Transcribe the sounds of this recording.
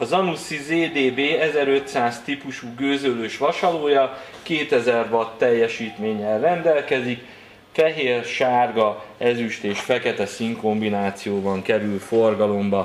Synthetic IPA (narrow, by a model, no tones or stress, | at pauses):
ɒzɒnusizeːd̪eːbeːɛzɛɾø̞t̪saːst̪ipuʃuːɡøːzøløːʃʋɒʃɒloːjɒ | keːt̪ɛzɛrvɒt̪ːɛjːɛʃiːt̪meːɲːɛlrɛnd̪ɛlkɛzik | fɛɦeːrʃaːrɡɒɛzyʃt̪eːʃfɛkɛt̪ɛsiŋko̞mbinaːt̪sijoːbɒŋkɛɾylforɡɒlo̞mbɒ